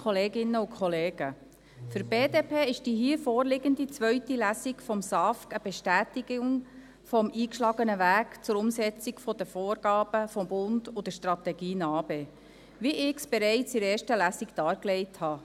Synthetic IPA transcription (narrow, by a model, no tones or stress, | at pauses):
kχɔleːɡɪnəʊkʰχɔleːɡ̥ə | fʏɾb̥eːdeːpʰeːɪʃd̥iɦiːfɔːrlɪɡənd̪it͡sʋœʏtilæsikfɔmsɑfkəb̥ɛʃtæːtiɡ̥ʊŋ | fɔmiːkʃlɑːɡənəvæːkt͡sʊɾʊmsɛt͡siɡfɔd̥əfoːɾɡ̥ɑːb̥əfɔmbʊnd̥ʊd̥̪əʃtrɑt̪ɛɡiːnɑːbeː | ʋiʔɪksb̥ɛɾɛɪt͡sɪɾeːɾʃtəlæsiɡd̥ɑːɾklɛɪthɑː